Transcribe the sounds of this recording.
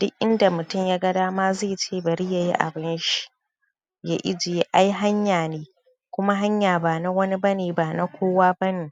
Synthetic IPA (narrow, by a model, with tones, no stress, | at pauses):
d̥ʊ˦k̚ʲʔɪ˦nda˨mʊ˨tʊ˦mjaː˦ɡɐ˦daː˦maː˦zeː˦˨t͡ʃeː˦˨bɐ˨ɾi˦ja˦˨jḭ˦ʔa̰˨bɪ˦nʃi̥˦˨ | ja˦ʔɪ̰˦d͡ʒɪ˨e˦ʔa˦jɦa˦ɲjaː˨neː˦ | kʷʊ˦ma˦ɦa˦ɲjaː˨baː˨na˦wɐ˦ni˦bɐ˦neː˨baː˨na˦kʷoː˦waː˦bɐ˦neː˨